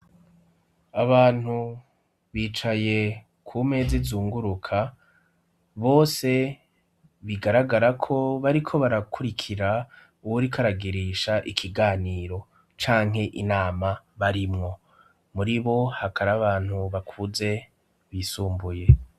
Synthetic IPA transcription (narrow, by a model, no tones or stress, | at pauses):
aβaːn̥hu | βiːt͡ʃaje̞ | kʰume̞ːzizuːŋɡuɾukʰa | βo̞ːse̞ | βiɡaɾaɡaɾakʰo̞βaɾikʰo̞βaɾakʰuɾikʰiɾa | uwuɾikʰaɾaɡiɾiʃaʔikʰiɡaːniːɾo̞ | t͡ʃaːŋɦe̞ʔinaːma | βaɾimŋo̞ | muɾiβo̞hakʰaɾaβaːn̥huβakʰuze̞ | βisuːmbuje̞